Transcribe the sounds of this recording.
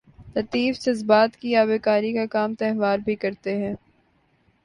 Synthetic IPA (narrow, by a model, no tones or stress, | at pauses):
lɐt̪iːfsɐzbaːt̪kiaːbeːkaːɾikakaːmt̪ɛɦʋaːɾbʱikɐɾt̪eɦɛ̃ː